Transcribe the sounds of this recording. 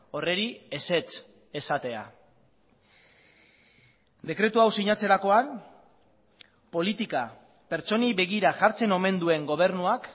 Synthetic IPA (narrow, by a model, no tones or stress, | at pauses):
o̞re̞ɾiese̞t͡s | e̞sat̪e̞a̰ | d̪e̞kɾe̞t̪uawsiɲat͡se̞ɾako̞an | po̞lit̪ika | pe̞ɾt͡so̞niβe̞ɣ̞iɾaʝaɾt͡se̞no̞me̞nd̪ue̞ŋɡo̞β̞e̞ɾnuak